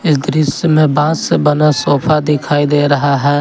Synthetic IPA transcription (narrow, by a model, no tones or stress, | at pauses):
ɪsd̪ɾɪsjəmẽbãːsbənasoːpʰad̪ɪkʰaːid̪eːɾɐɦaɦɛː